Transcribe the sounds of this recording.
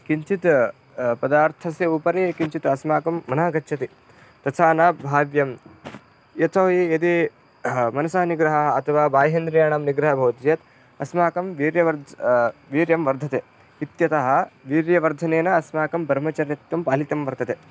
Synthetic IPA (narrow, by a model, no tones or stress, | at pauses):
kiɲt͡ʃit̪ | pɐd̪aːɾt̪ʰɐsjɐupɐɾeːkiɲt͡ʃit̪ɐsmaːkɐmːɐnaːɡɐtːʃʰɐt̪i | t̪ɐsʰaːnaːbʱaːʋjɐm | jɐt̪ʰɐːijɐd̪i | mɐnɐsaːɐniɡɾɐɦɐɐɐt̪ʰɐʋaːbaːjɦend̪ɾɐjaːɳɐmniɡɾɐɦɐbʱɐʋt̪jɐt̪ | ɐsmaːkɐmʋiːɾjɐʋɐɾd̪ʋiːɾjɐmʋɐɾd̪ʱɐt̪eː | it̪jɐt̪ɐɦɐ̆ʋiːɾjɐʋɐɾd̪ʱɐneːnɐɐsmaːkɐmbʱɐɾmɐt͡ʃɐɾjɐt̪jɐmpaːlit̪ɐmʋɐɾd̪ʰɐt̪eː